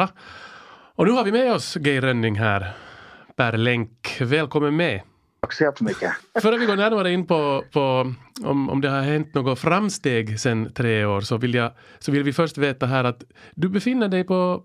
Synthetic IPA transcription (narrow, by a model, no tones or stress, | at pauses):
ɔnʉːhɑɾʋɪmɛɔsɡɛɪɾœnːɪŋɦæːɾpʰæɾlɛŋkʋɛlkʰɔmːənmɛ | kseːfɔmʏkːəføːɾɑʋɪɡoːɾnæːɾnɔmeːɾəɪnːpʰɔpʰɔɔ̰mɔ̰md̪ɛhɑɾhɛnt̪noːɡʊfɾɑmst̪eːɡsɛnːt̪ʰɾeːoːɾsɔʋɪljæɪ | sɔʋɪlːʋɪfœɾʂt̪ʋeːt̪ɑɦæːɾɑt̪ | d̪ʉbəfɪnːəɖɛɪpʰɔ